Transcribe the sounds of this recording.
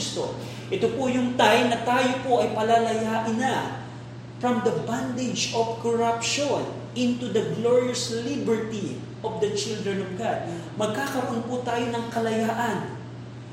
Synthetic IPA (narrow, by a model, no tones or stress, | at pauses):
st̪o̰ | ʔɛt̪opojʊŋt̪ajnɐt̪aːjo̞poʔɐjpɐlalɐjaːʔɪna | fɹɐmd̪ɐband̪ɪd͡ʒovkoɹapʃon | ʔɪ̃nt̪ud̪ɐɡloɹioslibɛɹt̪i | ʔovd̪ɐt͡ʃɪld̪ɹɛnɔvɡad̪̚ | mɐɡ̚kaːkɐɾoʔonpʊt̪aːjo̞nɐŋkɐlɐjaːʔɐn